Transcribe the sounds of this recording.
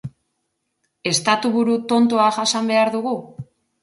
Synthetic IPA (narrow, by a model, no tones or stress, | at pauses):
e̞st̪at̪uβuɾut̪o̞nt̪oaʝasambe̞aɾðuɣu